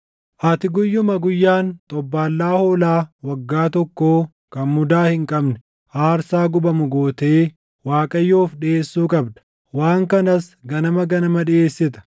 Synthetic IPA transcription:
ʔɐt̪ɪɡʊjːʊmɐɡʊjːaːnt̪ʼɔbːaːlːaːhoːlaːwɐɡːaːt̪ɔkːoː | kɐnmʊd̪aːhɪŋkʼɐbnɛ̥ | ʔaːɾsaːɡʊbɐmʊɡo̞ːt̪eː | waːkʼɐjːoːfᶑɪeːsːuːkʼɐbd̪ɐ̥ | waːŋkɐnɐsɡɐnɐmɐɡɐnɐmɐᶑɪeːsːɪt̪ɐ̥

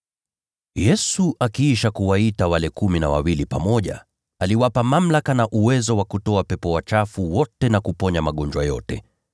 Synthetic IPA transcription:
jɛsuʔakiiʃakuwaitawalɛkuminawa̰wilipamɔʄa̰ | aliwapamam̩lakanaʔuwɛzɔwakutɔapɛpɔwat͡ʃafuwɔtɛnakupɔɲamaɠɔnd͡ʒwajɔ̰tɛ

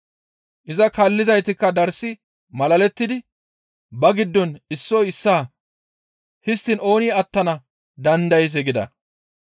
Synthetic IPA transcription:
ʔɪzɐkɐlːɪzɐjt̪ɪkːɐd̪ɐɾsːɪ | mɐlɐlɛt̪ːɪd̪ɪ | bɐɡɪd̪ːɔnɪsːɔjɪsːaː | hɪst̪ːɪno̞ːniːɐt̪ːɐnɐ | d̪ɐnd̪ɐjɛz̬ɛɡɪd̪ɐ̰

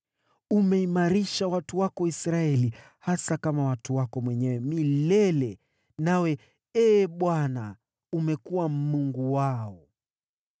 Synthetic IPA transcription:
umɛimaɾiʃawatuwakɔwaisɾaɛli | hasakamawatuwakɔmwɛɲɛwɛmilɛlɛ | nawɛ | ɛːɓwana̰ | umɛkuwam̩muŋɡuwaɔ

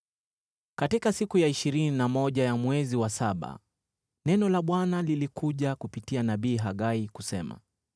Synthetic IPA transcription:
katikasikujaiʃiɾininamɔʄajamwɛziwasaɓa̰ | nɛnɔlaɓwanalilikuʄakupitianaɓiːɦaɠaikusɛ̰ma̰

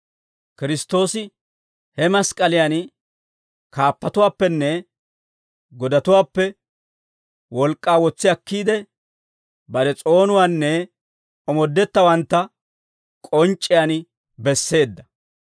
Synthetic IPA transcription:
kɪɾɪst̪ːo̞ːsɪ | hɛmɐskʼɐlɪjan | kʰaːpːɐt̪ʊwaːpːɛnːɛ | ɡɔd̪ɐt̪ʊwaːpːɛ | wɔlkʼːaːwɔt͡sːɪɐkːiːd̪ɛ | bɐɾɛt͡sʼo̞ːnʊwaːnːɛ | ɔmɔd̪ːɛt̪ːɐwɐnt̪ːɐ | kʼɔnt͡ʃʼːɪjaːn | bɛsːe̞ːd̪ːɐ

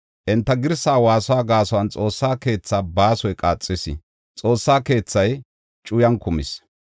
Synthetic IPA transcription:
ʔɪnt̪ːɐɡɪɾsaːwaːsɔaːɡaːsɔwɐnt͡sʼo̞ːsːaːke̞ːt͡sːaːbaːsɔjkʼaːt͡sʼːɪsɪ̰ | t͡sʼo̞ːsːaːke̞ːt͡sːɐj | t͡ʃʼʊjɐnkʊmɪ̰s

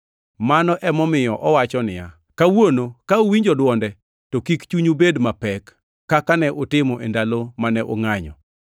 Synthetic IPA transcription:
manɔʔɛmɔmɪjɔʔɔwat͡ʃɔnɪja | kawonokaowiɲd͡ʒɔdwɔndɛ | tɔkikt͡ʃuɲubedmapɛkː | akanɛʔotɪmɔʔendalomanɛʔo̰ŋaɲɔ̰

